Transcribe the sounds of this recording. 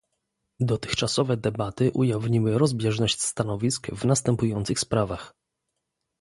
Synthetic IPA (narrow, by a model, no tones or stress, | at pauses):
d̪ɔt̪ɘ̥xt͡ʂasɔvɛd̪ɛbat̪ɘʔujavɲimɘɾɔzbʲjɛʐnɔɕt͡ɕst̪anɔvʲiskvnast̪ɛmpujɔnt̪sɘxspɾavax